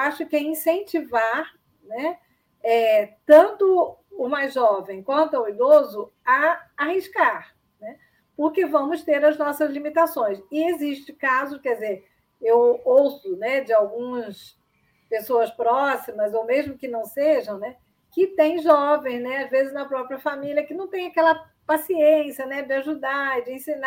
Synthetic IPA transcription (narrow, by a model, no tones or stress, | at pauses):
aʃʊkɪɛĩsẽnt͡ʃivaɾ | nɛ | ɛt̪ɐ̃nt̪ʊːmajzʒɔvẽj̃kwɐ̃nt̪ʊawid̪ozʊ | ɐahiʃkaɾ | nɛ | pʊɾkevɐ̃mʊst̪eɾɐznɔsɐzlimit̪asõj̃sɪeziʃt͡ʃɪkazʊkɛd͡ʒɪzeɾ | ewowsʊnɛd͡ʒɪawɡũmɐs | pesoɐspɾɔsimɐzowmeʒmʊkɪnɐ̃w̃seʒɐ̃w̃nɛ | kɪt̪ẽj̃ʒɔvẽj̃znɛazvezɪznɐpɾɔpɾiɐfamiliɐkɪnɐ̃w̃t̪ẽj̃akɛlɐ | pasiẽsiɐnɛd͡ʒɪaʒud̪aɾd͡ʒɪẽsĩna